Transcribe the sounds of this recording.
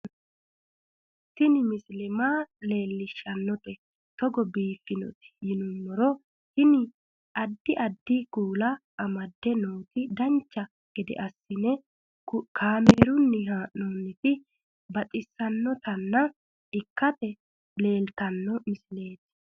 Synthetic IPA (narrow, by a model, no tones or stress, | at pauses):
t̪ːɪnɪmɪslɛmaːle̞ːlːɪʃːɐnːɔt̪ɛ | t̪ɔɡɔbiːfːɪnɔ̰t̪ɪ̥jɪnʊnːɔɾɔ | hɪnɪ | ɐd̪ːɪʔɐd̪ːɪkuːlɐʔɐmɐd̪ːɛnoːt̪ɪd̪ɐnt͡ʃːɐ | ɡ̥ɛd̪ɛ̰ʔɐsːɪnɛ | kʰaːmeːɾʊnːɪɦaːʔonːɪt̪ɪ | bɐt̪ʼɪsːɐnːɔt̪ɐnːɐ | ɪkːɐt̪ɛ | le̞ːlt̪ɐnːɔmɪsle̞ːt̪ː